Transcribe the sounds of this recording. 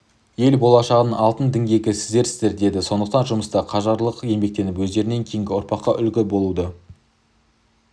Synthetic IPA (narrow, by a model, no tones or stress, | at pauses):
je̞lbo̞lˠɑʃɑʁənənɑlˠt̪ənd̪ɪŋɡʲe̞ɡʲɪsɪzd̪e̞ɾsɪzd̪e̞ɾd̪e̞d̪ɪso̞nd̪əqt̪ɑnʒʊməst̪ɑqʰɑʒɑɾlˠəqe̞mbe̞k̚t̪e̞nɪp̬wɵzd̪e̞ɾɪne̞ŋkʲʰe̞jɪŋɡʲɪʊɾpɑqːɑʔʏlɡʲɪbo̞lˠud̪ə